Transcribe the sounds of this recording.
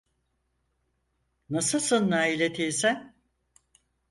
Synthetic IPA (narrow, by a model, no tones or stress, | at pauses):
nasɯsɯlˠnaːilʲet̪ʰijsæn